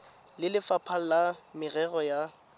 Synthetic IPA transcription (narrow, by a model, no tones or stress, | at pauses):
lɪlɪfapʰalamɪrɛɣɔja